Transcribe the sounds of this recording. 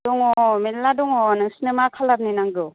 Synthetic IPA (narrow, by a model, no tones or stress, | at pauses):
dɔŋɔmeladɔŋɔnɯŋsinemakʰalap̚ninaŋdɯ